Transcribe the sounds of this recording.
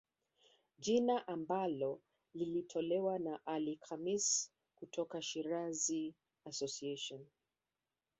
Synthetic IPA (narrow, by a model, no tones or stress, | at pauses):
ʄinaʔambalɔ | lilitʰɔlɛwanaʔalikamis | kutʰɔkaʃiɾazi | asɔsieʃɔn